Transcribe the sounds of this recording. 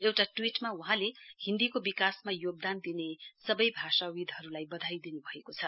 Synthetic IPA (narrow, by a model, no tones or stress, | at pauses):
ewʈaʈwiʈmauɦãlehind̪ikobikasmajoɡ̚d̪and̪inesʌbʌjbʱasawid̪ʱɦʌɾulajbʌd̪ʱajd̪inubʱʌekot͡sʰʌ